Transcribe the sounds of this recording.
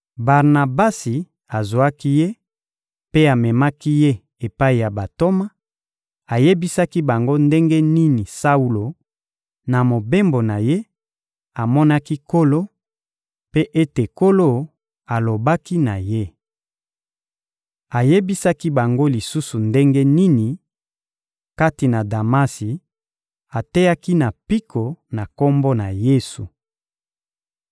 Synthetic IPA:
ba˨ʁna˨ba˦si˨ | a˨zo˨a˦ki˦je˦ | pe˦a˨mɛ˨ma˦ki˦je˦ | e˨pa˦i˨ja˨ba˨to˦ma˦ | a˨je˦bi˦sa˦ki˦ba˨ŋɡo˦nde˦ŋɡe˦ni˦ni˨sa˦u˦lo˨ | na˨mo˨be˦mbo˨na˨je˦ | a˨mɔ˦na˦ki˦ko˦lo˦ | pe˦ʔe˦te˨ko˦lo˦ | a˨lo˨ba˦ki˦na˨je˦ | a˨je˦bi˦sa˦ki˦ba˨ŋɡo˦li˨su˦su˨nde˦ŋɡe˦ni˦ni˨ | ka˦ti˨na˨da˨ma˦si˨ | a˨te˦ja˦ki˦na˨pi˦kʰo˨na˨ko˦mbo˦na˨je˦su˨

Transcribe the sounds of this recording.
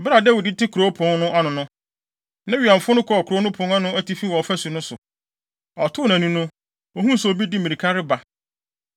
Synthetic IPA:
bɪ˦ɾa˨dɛ˦wʊ˨dɪ˦tɪ˦kʰu˨ɾo˦pʰʊ̃˨˦ŋnʊ̃˦a˦nʊ̃˨nʊ̃˦ | nã˦ɥã˨m̩˨fʊ˦nʊ̃˦kʰɔ˨ɔ˨kʰɾo˦nʊ̃˦pʰʊ̃˦ŋa˦nʊ̃˦æ˦ti˦fi˦wɔ˨fæ˦su˨nʊ̃˦sʊ˨ | ɔ˨tʰʊ˦˨nã˨nũ˦nʊ̃˦ | o˦hũ˦sʊ˨o˨bi˦di˦mĩ˨ɾi˨kʰa˦ɾɪ˦ba˨

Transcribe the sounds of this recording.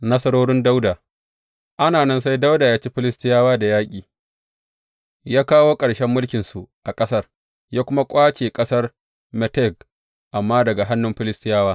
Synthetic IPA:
nɐ˦sɐ˦ɽoː˦ɽɪ˦nda˦wda˨ | ʔa˦naː˨nɐ˦nsa˦jda˦wda˨jaː˦t͡ʃi˦ɸɪ˦lɪ˦stɪ˦jaː˦waː˦da˨jaː˦kʲʼiː˨ | jaː˦kaː˦woː˦kʼɐ˨ɽʃɛ˦mːʊ˦lkʲɪ˨nsu˨ʔa˨kʼɐ˦sɐ˦r | jaː˦kʷʊ˦ma˦kʷʼaː˦t͡ʃeː˨kʼɐ˦sɐ˦r | mɛ˨tɛ˦ɡ | ʔa˨mːaː˦dɐ˨ɡa˨ɦa˦nːʊ˦mɸɪ˦lɪ˦stɪ˦jaː˦waː˦

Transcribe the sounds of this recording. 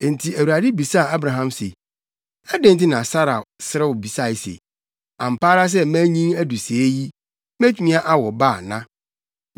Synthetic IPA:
e˨n̩˨tʰi˨æ˨wu˨ɾa˨dɪ˦bi˨sa˦˨a˦bɾã˨ɦã˦msḛ˨ | ɛ˦dɪ̃˦n̩˦t̬ɪ˦nã˨sa˦ɾa̰˨sɪ˦ɾɛ˦wɔ˨bi˨sa˦˨sḛ˨ | ã˨m̩˨paː˦ɾa˦s̬ɛ˦mæ̃˦ɲĩ˦næ˦du˨se˨˦ji˦ | mæ̃˦tʰu˨˦nĩ˦a˦ʔa˦wɔ˨ba˦˨nã˦

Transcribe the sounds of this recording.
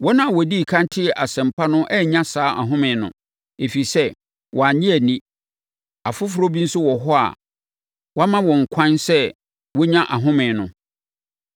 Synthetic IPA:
wɔ˦nã˦˨wɔ˨di˦˨kʰã˦n˦tʰɪ˦ɛ˨ʔa˨sɛ̃˨m˨pʰa˦nʊ̃˦ʔɛ˦ɲã˦saː˨˦ʔa̰˨ɦʊ̃˦mɪ̃˨nʊ̰̃˨ | e˨fi˨sɛ˦ | wʔɔ˨a˨ɲĩ˦æ˨nĩ˦ | a˨fʊ˦fʊ˨˦ɾo˦bi˦n̩˦sʊ˦wɔ˨ɦɔ˦a̰˨ | wa˦mã˦wɔ̃˨ŋ̩˨kʷʰã˦nsɛ˦ | wɔ˦ɲã˦ʔa˨ɦʊ̃˦mɪ̃˨nʊ̰̃˨

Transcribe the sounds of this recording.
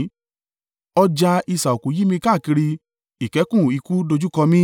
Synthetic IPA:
ɔ˧d͡ʒa˧i˧˨sa˨o˨kũ˨˦ji˦mĩ˧ka˦˨ki˧ɾi˧ | i˨kɛ˨˦kũ˦˨i˨˧ku˦do˧d͡ʒu˦kɔ˧mĩ˦

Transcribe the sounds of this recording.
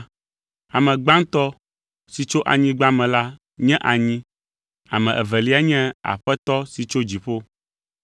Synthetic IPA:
a˨mɛ̃˨ɡ͡bã˦ŋ˦t̪ɔ˦ | si˨t͡ʃo˦ʔa̰˨ɲĩ˦ɡ͡ba˦mɛ̃˨la˦ | ɲɛ̃˦ʔa˨ɲĩ˦ | a˨mɛ̃˨ʔɛ˨vɛ˨li˦a˦ɲɛ̃˦a̰˨ɸɛ˦t̪ɔ˦si˨t͡ʃo˦d͡ʑi˨ɸo˦

